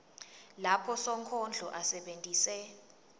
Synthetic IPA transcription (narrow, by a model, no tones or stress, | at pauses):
lapʰɔsɔŋkʰɔnd͡ɮʱɔʔasɛɓentʼiːsɛ